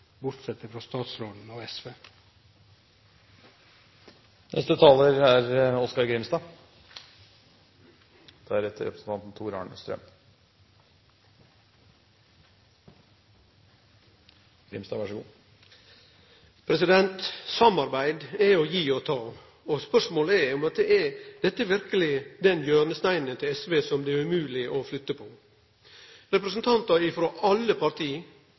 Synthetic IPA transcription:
bʊɾt̪sɛt̪əfɾɑːst̪ɑːt̪sɾoːd̪n̩ɔːɛsʋeː | nɛ̰st̪ət̪ʰɑːləɾæɾɔskɑɾɡɾɪmst̪ɑː | d̪̥ɛæɾɛt̪ʰːəɾɛ̰pɾəsən̩t̪ʰɑnt̪n̩t̪ʰuːɾɑ̰ːɳəst̪ɾœ̰m | ɾɪ̰mst̪ɑʋɑʂəɡuː | pʰɾɛsɪd̪ɛnt̪sɑmɑɾbæɪd̪æojiːɔt̪ʰɑː | ospœʂmoːləɛɾʊmɑt̪̚d̪ɛɛɾd̪̥ɛt̪ːəɛɾʋɪɾkəlɪd̪ɛnjøːnəst̪æɪnənt̪ʰɪlɛsʋeːsɔmd̪ɛæɾʉmʉːlɪʔoflʏt̪ːəpʰoː | ɾɛpɾəsn̩t̪ʰɑnt̪ɑɪfɾoːʔɑlːəpʰɑɾt̪ʰiː

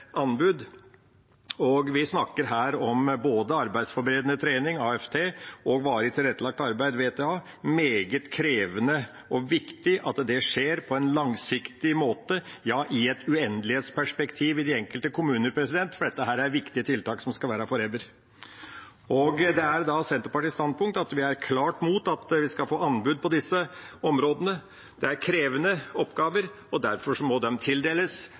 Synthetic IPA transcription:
ʔɑnbʉd̪ | ɔɡʋɪsnɑkːəɾɦæːɾɔmboːd̪əɑɾbæɪsfɔɾbəɾeːd̪ənət̪ʰɾeːnɪŋɑːɛft̪ʰeːʔɔɡʋɑːɾəɪt̪ʰɪlɾɛt̪ːəlɑk̚t̪ɑɾbæɪd̪ʋeːt̪ʰeːɑː | meːɡət̪kʰɾeːʋənə | ɔʋɪkt̪ɪʔɑt̪d̪ɛʂeːɾpʰɔɛnlɑŋsɪkt̪ɪmoːt̪əjɑːʔɪɛt̪ʉɛnd̪əlɪheːt̪spʰæʂpɛkt̪ʰiːʋɪd̪ɪɛŋkəlt̪əkʰʊmʉːnəɾpʰɾɛsɪd̪ɛnt̪fɔɖɛt̪ːəɦæːɾæɾʋɪkt̪ɪət̪ʰɪlt̪ɑːksɔmskɑlʋæːɾəfɔɾɛd̪əɾ | ɔɡd̪ɛæɾd̪ɑsɛnt̪əpɑʈ̪ɪst̪ɑnd̪̚pʰʊŋk̚t̪ɑt̪ʋɪæɾkʰlɑːʈmuːt̪ɑt̪ʋɪskɑlfoːɑnbʉd̪̚pʰɔd̪ɪsːəɔmɾoːd̪ənə | d̪̥ɛæɾkʰɾeːʋənəɔpːɡɑːʋəɾ | ɔd̪æɾfɔʂɔmɔd̪ɛmt̪ʰɪld̪eːləs

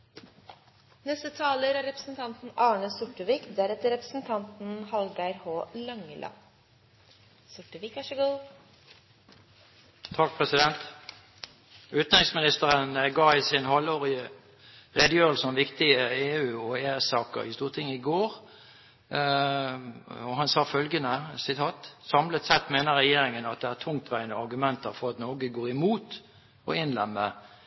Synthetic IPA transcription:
nɛst̪ət̪ʰɑːləɾæɾɛpɾəsn̩t̪ʰɑnt̪n̩ɑːɳəsʊʈəʋiːkd̪æɾɛt̪əɾɛpɾəsn̩t̪ʰɑnt̪n̩hɑlɡæɾhoːlɑŋːəlʔɑ̰ | sʊʈːəʋiːkɑʂəɡuː | t̪ʰɑk̚pʰʁɛsɪd̪ɛnt̪ | ʉːt̪n̩ʁɪŋsmɪnɪst̪əʁənɡɑːɪsɪnhɔlːoːʁɪə | ʁɛd̪əjøːʁəlsənʋɪkt̪ɪəeːʉːɔeːsɑːkə̰ʁɪ̰st̪uːʁt̪ʰɪŋːəɪɡoːʁ | ɔhɑnsɑːfœlɡənəsɪt̪ʰɑːt̪sɑmlət̪sɛt̪meːnəʁɛjeːɾɪŋənɑt̪̚d̪ɛæːt̪ʰʊŋt̪ʰʋæɪnɔɑɾɡʉmɛnt̪əɾfɔɾɑt̪noːɡəɡoːʁɪmuːt̪ | ɔ̰ɪnlɛmːə

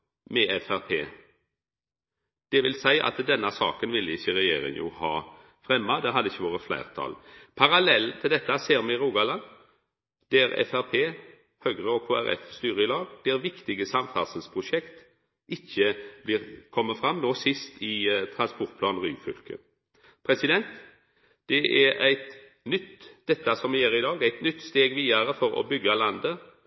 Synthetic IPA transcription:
mɛɛfæʁpʰḛː | d̪̥ɛʋɪlsæɪʔɑ̰t̪d̪ɛnːɑsɑ̰ːkənʋɪlːəɪçːəɾɛjḛːɾɪ̰ŋjṵːhɑː | fʁɛmːɑd̪æɦɑd̪ːəɪçːəʋoːʁəflæ̰ɪʁt̪ʰɑ̰ːlpʰɑɾɑlɛlt̪ʰɪld̪ɛt̪ːɑseːɾmɛɾuːɡɑlɑn | d̪̥æɾɛ̰fæʁpʰeː | høɡʁəɔkʰoːæɾɛ̰fst̪yːɾəɪlɑːɡd̪̥ɛʁʋɪkt̪ɪɡəsɑmfæʁsəlspʰʁʊʃɛkt̪ | ʔɪçːəblɪːʁkʰɔmːəfɾɑmnoːsɪst̪ɪt̪ʰɾɑnspɔʁt̪̚pʰlɑːnʁyːfʏ̰lkə̰ | pʰɾɛsɪd̪ɛnt̪ | d̪̥ɛʔæɾæɪt̪ | nʏt̪d̪̥ɛt̪ːɑsɔmʋɪjeːɾɪd̪ɑːɡæɪt̪nʏt̪ːst̪eːɡʋiːɑɾəfɔɾɔ̰bʏɡːɑlɑnd̪ə

